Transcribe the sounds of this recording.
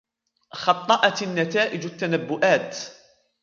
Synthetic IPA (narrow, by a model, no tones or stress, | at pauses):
xɑt̪ˤːɑʔɑt̪nːat̪aːʔɪd͡ʒat̪ːanabːʊʔaːt̪